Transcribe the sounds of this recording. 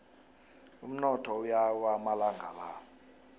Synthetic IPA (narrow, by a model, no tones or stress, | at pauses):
um̩nɔtʰɔujawamalaŋɡʱala